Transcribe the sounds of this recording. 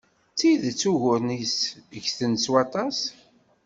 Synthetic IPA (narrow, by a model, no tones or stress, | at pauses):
t͡sːiðt͡sːuʝʊɾnisʝθənswɑt̪ˤɑs